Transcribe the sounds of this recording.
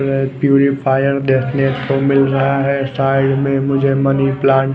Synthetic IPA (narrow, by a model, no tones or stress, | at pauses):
ɾepjuːɾipʰaːjəɾd̪eːsɪneːt̪komɪlɾɐɦaɦɛsaːɪɖmẽmʊd͡ʒʱemɐniplãːɳ